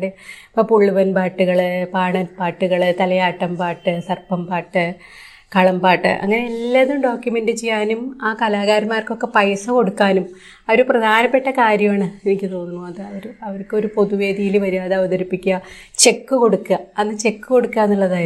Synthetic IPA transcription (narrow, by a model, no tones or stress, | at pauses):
ɽepɐpuɭːuʋɐnpaːʈːuɣɐɭɨpaːɳɐnpaːʈːuɣɐɭt̪ɐlɐjaːʈːɐmpaːʈːɨsɐrpɐmpaːʈːɨ | kɐɭɐmpaːʈːɨ̰ʔɐ̰ŋːɐneelːɐðumɖo̞ːkjume̞ndɨt͡ɕe̞jːaːnumaːkɐlaːɣaːɾɐmaːrko̞kːe̞pɐjsɐko̞ɽukːaːnum | ɐʋɐɾuprɐd̪ʱaːnɐpːe̞ʈːɐkaːɾjɐmaːɳɨenikʲːɨt̪o̞ːnːuɳːuɐðɨɐʋɐɾuɐʋɐrkɨo̞ɾupo̞ðuʋe̞ːd̪ijilʋɐɾuaːðeɐʋɐðɐɾipːikʲːɐt͡ɕe̞kːɨko̞ɽukːɐɐnːɨt͡ɕe̞kːuko̞ɽukːaːnːuɭːɐðaːj